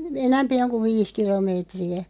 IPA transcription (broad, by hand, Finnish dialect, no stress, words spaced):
enæmpi oŋ kuʋ̆ ʋiːs kilomeːtriæ